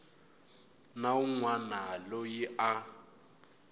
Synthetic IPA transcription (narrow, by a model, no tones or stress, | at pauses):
nauŋwanalojiʔa